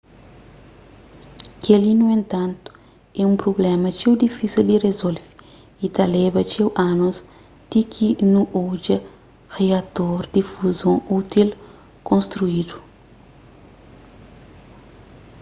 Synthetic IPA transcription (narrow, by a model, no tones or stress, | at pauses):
kʰelinuẽnt̪ãnt̪u̥ | ɛũmpɾoblɛmɐt͡ʃewd̪ifisild̪irezolvi | it̪ɐlebɐt͡ʃewʔanoz | d̪̥ikʰinuʔod͡ʒɐ | ʁeɐt̪oɾd̪ifuzõut̪il | kõnst̪ɾuid̪u